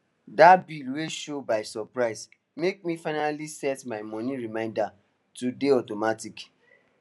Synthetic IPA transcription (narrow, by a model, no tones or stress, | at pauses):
dabilweʃobaɪsɔpɹaɪs | mek̚mifaɪnalisɛtmaɪmɔ̃nĩɹimãɪ̃nda | tudeɔtomatik